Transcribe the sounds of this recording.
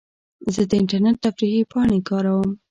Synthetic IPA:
zəd̪əɪɳʈaɾneʈ̚t̪afɾihipɑɳ̃ekɑɾawəm

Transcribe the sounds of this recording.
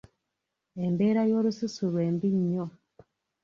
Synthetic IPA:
embeːɾajoːɾususuɾweːmbiɲːo

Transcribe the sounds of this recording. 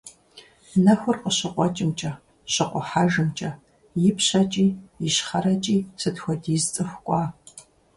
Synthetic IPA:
nɐxʷʊrqəɕɪqʷɔt͡ʃʼɪmt͡ʃʼɐ | ɕɪqʷɔħaːʒɨmt͡ʃʼɐ | jɪpʰɕɐt͡ʃʼiːjɪɕχɐɾɐt͡ʃʼiːsɨtxʷɔdiːzt͡sʼɨxʷkʷʼɑː

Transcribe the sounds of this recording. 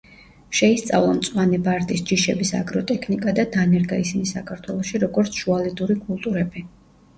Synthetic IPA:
ʃɛist̪sʼa̰vlˠɔmt̪sʼwanɛbaɾt̪ʼisd͡ʒiʃɛbisa̰ɡɾɔt̪ʼɛkʰnikʼad̪ad̪anɛɾɡaisinisakʰaɾt̪ʰwɛlˠɔʃiɾɔɡɔɾt̪sʰʒ̥ualid̪uɾikʼulˠt̪ʼuɾɛbi

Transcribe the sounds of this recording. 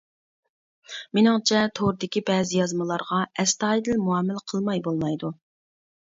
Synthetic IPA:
mɪnɪŋt͡ʃʰɛt̪ʰoɾd̪ɪkʲibɛːzɪjɑzmɨlˠɑɾʁɑɛst̪ɑːid̪ɪlmuɑːmɪlqʰəlˠmɑjbolˠmɑjd̪u

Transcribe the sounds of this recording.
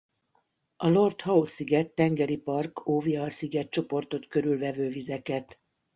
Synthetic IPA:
ɒlo̞rt̪hɒosiɡɛt̪ːɛŋɡɛɾipɒrkʰoːvjɒːsiɡɛt̪̚t͡ʃo̞po̞rt̪o̞t̪køɾylvɛvøːvizɛkɛt̪

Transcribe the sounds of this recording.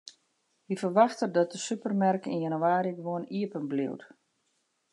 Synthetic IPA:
ʋifərʋaxtədɔt̚dəsypərmɛrkḭnjanuwaːɾiəɡʋoəniəpənblḭwt

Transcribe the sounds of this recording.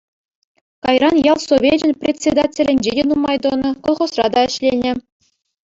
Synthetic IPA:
kɑjrɑnjɑlˠsovʲed͡ʑɘ̆nʲpʲrʲetʲt͡sʲːed̪atʲĕlʲɘ̆nʲd͡ʑedʲenumɑjd̪ɤnɤ̆kŏlˠχŏsrɑ̰d̪ɑɘ̆ɕlʲenʲɘ̆

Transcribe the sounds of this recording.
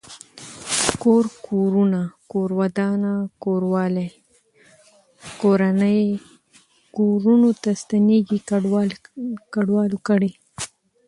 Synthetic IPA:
koɾkoɾunakoɾwad̪ɑnakoɾwɑle | koɾanəj | koɾunot̪ast̪aneɡiw | kaɖwɑlokəɽe

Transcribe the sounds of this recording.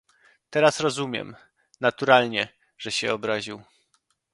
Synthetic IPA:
t̪ɛɾasɾɔzumʲjɛ̰m | nat̪uɾalɲɛ | ʐɛɕɛɔbɾaʑiw

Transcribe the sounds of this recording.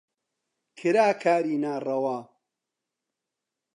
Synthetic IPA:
kʰɨɾaːkʰaːɾiːnaːrɐwaː

